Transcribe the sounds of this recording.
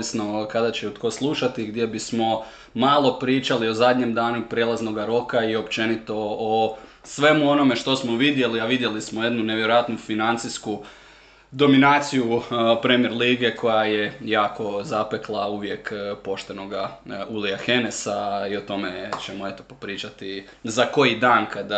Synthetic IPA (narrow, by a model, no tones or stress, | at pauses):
isno̞kad̪at͡ɕeut̪ko̞slˠuʃat̪iɡd̪je̞bismo̞ | maːlˠo̞pɾiːt͡ʃalio̞zad̪ʲɲe̞md̪aːnupɾje̞lˠazno̞ɡaɾo̞kaio̞pt͡ʃe̞nit̪o̞ː | sʋe̞muo̞no̞me̞ʃt̪o̞smo̞ʋid̪je̞liaʋid̪je̞lismoje̞d̪nuneʋjeɾo̞jat̪nufinant̪sisku | d̪o̞minaːt̪sijupɾe̞mieɾliːɡe̞kʰo̞jajejaːkʰo̞zape̞klˠauːʋje̞kpo̞ʃt̪e̞no̞ɡauliaxe̞nesaiot̪o̞me̞t͡ʃemoe̞t̪o̞̥popɾiːt͡ʃat̪i | zako̞jid̪aːnkad̪